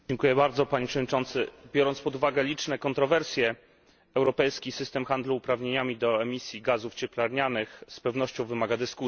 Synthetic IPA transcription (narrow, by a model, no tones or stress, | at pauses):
d͡ʑɛŋkujɛbaɾd̪zɔpaɲepʂɛvɔd̪ɲit͡ʂɔnt̪sɘbʲjɔɾɔnt̪spɔd̪uvaɡɛlʲit͡ʂnɛkɔnt̪ɾɔvɛɾsʲjɛ | ɛwɾɔpɛjskʲisɘst̪ɛmxand̪luːpɾavɲeɲamʲid̪ɔɛmʲisʲjiɡazuft͡ɕɛplaɾɲanɘxspɛvn̪ɔɕt͡ɕɔ̃w̃vɘmaɡad̪ɘsku